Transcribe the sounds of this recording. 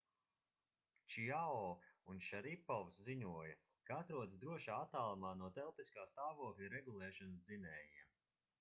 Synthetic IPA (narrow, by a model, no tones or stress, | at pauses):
t͡ʃiaɔːunʃaɾipɔvsziɲuɔjɐ | kaat̪ɾuɔd̪sd̪ɾuɔʃaːat̪ːaːlˠamaːnuɔt̪ɛlˠpiskaːst̪aːvuɔklʲɾɛɡulˠɛːʃɔnsd̪zinɛːjiɛ